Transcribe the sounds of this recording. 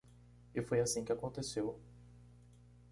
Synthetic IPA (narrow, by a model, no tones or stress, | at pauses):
ɪfojasĩkɪakõnt̪esew